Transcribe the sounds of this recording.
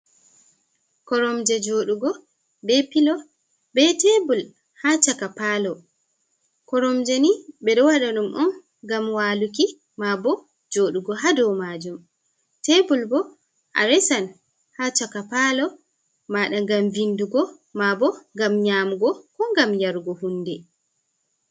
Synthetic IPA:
kɔɾɔmd͡ʒɛd͡ʒoːɗuɡɔ | bɛpilɔ | bɛtebul | hat͡ʃakapalɔ | kɔɾɔmd͡ʒɛnibɛɗɔwaɗaɗumʔɔn | ɡamwaluk̬i | mabɔ | d͡ʒoɗuɡɔɦadɔwmad͡ʒum | tebulbɔ | ʔa̰ɾɛsan | hat͡ʃakapalɔ | maɗaŋɡamvinduɡɔ | mabɔŋɡamɲaːmuɡɔkɔŋɡamjaɾɡɔhundɛ

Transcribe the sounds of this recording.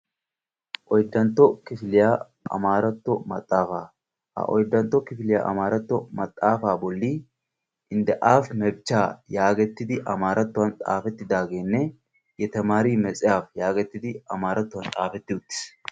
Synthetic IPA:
ʔɔjd̪ːɐnt̪ːɔkɪfɪlɪja | ɐ̰maːɾɐt̪ːɔmɐt̪ʼːaːfaː | hɐ̰ʔɔ̰jd̪ːɐnt̪ːɔkɪfɪlɪja̰ʔɐ̰maːɾɐt̪ːɔmɐt̪ʼːaːfaːbɔlːiː | ʔɪnd̪ɛʔaːfmɛbt͡ʃːaːjaːɡɛt̪ːɪd̪ɪʔɐmaːɾʔɐt̪ːʊwɐnt̪ʼa̰ːfɛt̪ːɪd̪aːɡe̞ːnːɛ | jɛt̪ɐmaːɾiːmɛt͡sʼɪjaːfjaːɡɛt̪ːɪd̪ɪɐmaːɾɐt̪ːʊwɐnt̪ʼa̰ːfɛt̪ːɪʊt̪ːɪ̥s

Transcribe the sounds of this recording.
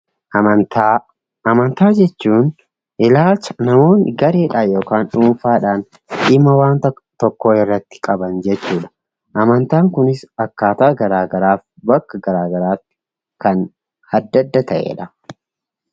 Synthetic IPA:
ɐt̪a | ɐmɐnt̪aːd͡ʒɛt͡ʃːuːn | ʔɪlaːlt͡ʃːɐ̥nɐmo̞ːnɡɐɾe̞ːᶑaːjo̞ːkaːnᶑuːfaːᶑaːn | ᶑɪmːɐwaːnt̪ | t̪ɔkːoːɪrːɐt̪ːɪ̥kʼɐbɐnd͡ʒɛt͡ʃːuːᶑɐ̥ | ʔɐmɐnt̪aːŋkʊnɪsɐkːaːt̪ɐʔːɡɐɾaːɡɐɾaːfbɐkːɐɡɐɾaːɡɐɾaːfɪ | kɐn | hɐd̪ːɐd̪ːɐt̪ɐʔḛːᶑɐ

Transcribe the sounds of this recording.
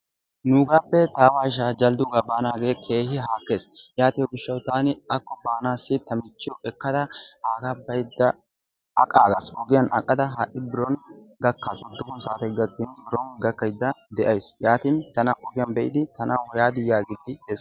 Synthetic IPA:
nuːɡaːpːɛt̪aːwaːɪʃ̬aːd͡ʒɐld̪ʊɡaːbaːnaːɡe̞ːkʰe̞ːhɪɦaːkːe̞ːsjaːt̪ɪjɔɡɪʃːɐwt̪aːnɪɐkːɔbaːnaːsːɪt̪ɐmɪt͡ʃːɪɔʔɛkːɐd̪ɐhaːɡɐbɐjd̪ːɐ | ɐ̰kʼaːɡasɔɡɪjɐnʔɐkʼːɐd̪ɐɦaʔɪbɪɾɔn | ɡɐkːaːsɔd̪ːʊkɔnsaːt̪ɐjɡɐkːɪnbɪɾɔnɡɐkːɐjd̪ːɐd̪ɛʔɐjsjaːt̪ɪnt̪ɐnɐʔɔɡɪjɐnbɛʔɪd̪ɪt̪ɐnɐwɔjaːd̪ɪjːaːɡɪd̪ːɪd̪ɛs

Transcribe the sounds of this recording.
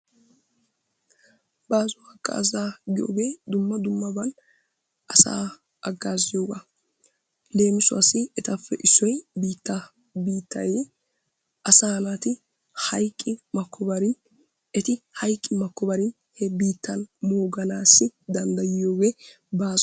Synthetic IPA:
baːzʊɐkʼːa̰ːzaːɡɪjo̰ːɡeːd̪ʊmːɐd̪ʊmːɐbɐn | ɐsa̰ː | ʔɐɡːaːzɪjo̞ːɡɐ | le̞ːmɪsʊɐsɪɛt̪ɐfːɛʔɪsːɔjbiːt̪ːɐ | biːt̪ʰːɐ̰jeː | ʔɐsaːnat̪ɪ | hɐjkʼːɪmɐkːɔbɐɾɪ | ɛt̪ɪhɐjkʼːɪmɐkːɔbɐɾɪn | hɛbiːt̪ːɐnmo̞ːɡɐnaːsːɪd̪ɐnd̪ɐjɪjo̞ːɡeː | baːz

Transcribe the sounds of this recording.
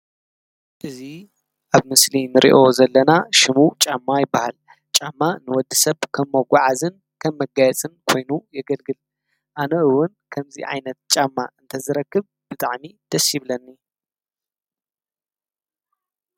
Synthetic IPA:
ʔɨzi | ʔaβmɨslinɨɾʔḭʔo̞zɐlːɐnaʃɪmut͡ʃʼamːajɪbːahal | t͡ʃʼamːanɨwɔd̪ːɨsɐβkʰɐmːɐɡʷaʕazɨn | kʰɐmːɐɡajɛt͡sʼɨnkʰo̞jnujɛɡɐlɡɨl | ʔanɐʔɨwʊnkʰɐmzḭʔʕa̰jnɐt̪̚t͡ʃʼamːa̰ʔɨnt̪ʰɐzɨɾɐkːɨβ | b̥ɨt̪ʼaʕmid̪̥ɐsiβlɐnːi

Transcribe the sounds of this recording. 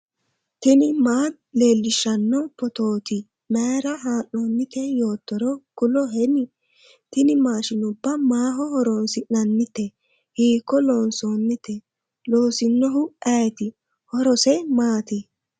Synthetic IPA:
t̪ɪnɪmaː | le̞ːlːɪʃɐnːɔpɔt̪o̞ːt̪ɪ | meːɾɐɦaːnːoːnːɪt̪ɛjo̞ːt̪ːɔɾɔkʊlɔɦɛnɪ | t̪ɪnɪmaːʃɪnʊbːɐmaːɦɔhɔɾonsɪnɐnːɪt̪ːɛ | hiːkːɔloːnsoːnːɪt̪ɛ | loːsɪnːɔɦʊɐt̪ɪ | hɔɾɔsɛmaːt̪ɪ

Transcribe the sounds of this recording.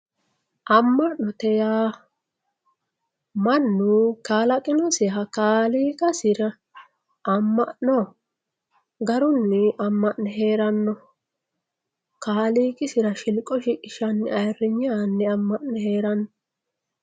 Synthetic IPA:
ʔɐmːɐʔnɔt̪ɛjaː | mɐnːukaːlɐkʼɪnɔsɪɦɐkaːliːkʼɐsɪɾɐ | ʔɐmːɐʔnɔ | ɡɐɾʊnːɛɐmːɐʔnɛɦe̞ːɾɐnːɔ | kaːliːkʼɪsɪɾɐʃɪlkʼɔʃɪʔɪʃɐnːɛɐjrːɪɲːanːɛɐmːɐʔnɛhe̞ːɾɐnːɔ

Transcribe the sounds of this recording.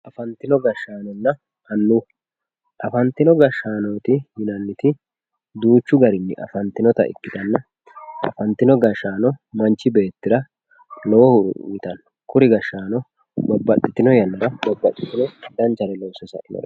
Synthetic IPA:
ʔɐfɐnt̪ɪnɔɡɐʃːaːnɔnːɐ | hɐnːu | ʔɐfɐnt̪ːɪnɔɡɐʃaːnoːt̪ɪjɪnɐnːɪt̪ɪ | d̪uːt͡ʃːʊɡɐɾɪnːɪʔɐ̰fɐnt̪ɪnɔt̪ɐ̰ʔɪ̰kːɪd̪ɐnːɐ | ʔɐ̰fɐnt̪ːɪnɔɡɐʃaːnɔmɐnt͡ʃːɪbe̞ːt̪ːɪɾɐ | lɔwɔhʊɾʊ̰ɪt̪ɐnːɔkʊɾɪɡɐʃːaːnɔ | bɐbːɐt̪ʼːɪt̪ːɪnɔjɐnːɐɾɐbɐbːɐt̪ʼːɪt̪ːɪnɔd̪ɐnt͡ʃɐɾɛloːsɛsɐ̰ɪnɔ̰

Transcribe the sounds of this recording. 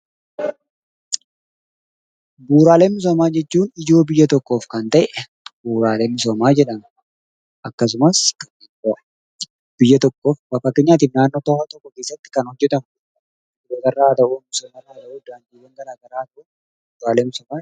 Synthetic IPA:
buːɾaːle̞ːnmɪs̬oːmaːd͡ʒɛt͡ʃːuːnɪd͡ʒo̞ːbɪjːɐt̪ɔkːo̞ːfkɐnt̪ɐʔɛɛ | buːɾaːleːmɪsoːmaːd͡ʒɛᶑɐm | ʔɐkːɐs̬ʊmɐskɐne | o | b̥ɪjːɐt̪ɔkːo̞ːfbɐkːɐkːeːɲːaːt̪̬iːfnaːnːoːt̪ɐhat̪ɔkːɔke̞ːsːɐt̪ːɪ̥kɐnhɔd͡ʒːɛt̪ɐm | d̪oːt̪ɐrːaːt̪ɐʔuːmɪsoːmɐraːt̪ɐʔuːd̪aːnd̪iːwɐŋɡɐɾaːɡɐɾaːt̪ɐʔuː | buːɾaːleːmɪsoːmaː

